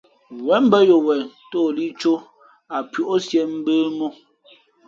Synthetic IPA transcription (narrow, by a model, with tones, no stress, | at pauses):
wɛ˨˦m̩˦bə˦jo˨wɛ˨˦toː˦˨li˦t͡ʃo˦ | a˨pɥo˨ʔo˦sjɛ˦m̩˦bəː˦mo˦